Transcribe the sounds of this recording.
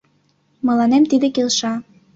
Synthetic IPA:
mɤ̆lɑnemt̪id̪ekelʃɑ

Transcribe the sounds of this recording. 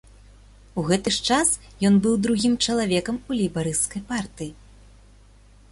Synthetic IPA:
uɣɛt̪ɨʂt͡ʂas | jɔnbɨwd̪ɾuɣʲimt͡ʂɐlˠavʲɛkɐmulʲijbaɾɨskɐjpart̪ɨji

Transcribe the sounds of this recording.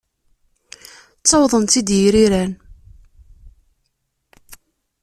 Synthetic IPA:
t͡sːɑwðˤənt̪id̪jiɾiɾæn

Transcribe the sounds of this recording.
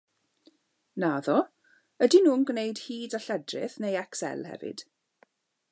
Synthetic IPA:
naðɔ | ədinuːnɡnejdhiːdaɬɛdrɪ̰θnejɛksɛ̰lˠhɛ̰vɪ̰d̥

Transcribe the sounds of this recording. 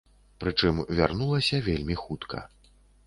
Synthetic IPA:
pɾɨt͡ʂɨmvʲarnulˠɐsʲɐvʲelʲmʲixut̪kʰɐ̰

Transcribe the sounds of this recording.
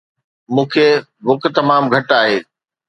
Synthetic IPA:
mũːkʰe | ʋʊk̆t̪ɐmaːmɡʱɐʈaːɦeː

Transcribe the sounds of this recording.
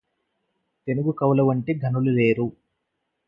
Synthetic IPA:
t̪e̞nuɡukɐwlɐʋɐɳʈiɡʱɐnulule̞ːɾu

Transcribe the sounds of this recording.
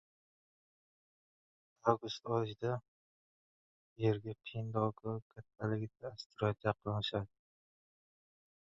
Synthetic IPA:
awɡʊst̪ɒd͡ʒd̪a | eɾɡʲapʰind̪ɒwɡakʲʰat̪ʰːalɪɡʲɪd̪̚aːst̪ʊɾat̪jaqʰɨlnɪʃad̪ɪ

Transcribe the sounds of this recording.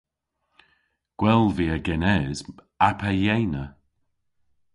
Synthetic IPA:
ɡ̥wɛlˠviːəɡɛnɛz | apʰəjejnə

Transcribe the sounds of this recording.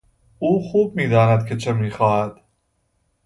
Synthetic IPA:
ʔuːxuːb̚miːd̪ɒːnæd̪kʰe̞t͡ʃʰe̞miːxɒːhæd̪̥

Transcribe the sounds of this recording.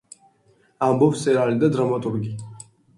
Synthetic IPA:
ambɔpst̪ʼɛɾalid̪ad̪ɾamat̪ʼuɾɡi

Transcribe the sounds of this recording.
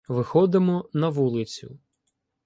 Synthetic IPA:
ʋɪxɔd̪ɪmɔnɐʋulˠɪt͡sʲʊ̰

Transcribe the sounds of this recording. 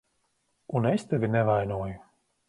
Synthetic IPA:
unest̪ɛvʲinɛvajnoːju

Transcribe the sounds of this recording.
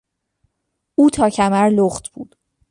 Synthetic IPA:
uːt̪ʰɒːcʰæmæɾloχt̪ʰb̥uːd̪̥

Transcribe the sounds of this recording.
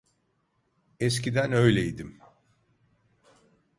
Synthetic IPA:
escid̪ænø̞jlʲeid̪im

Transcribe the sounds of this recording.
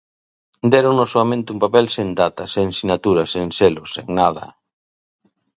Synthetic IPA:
d̪ɛɾoŋnosoamẽnt̪ɪumpapɛlsend̪at̪ɐseŋsinat̪uɾɐseŋseloseŋnað̞ɐ̰

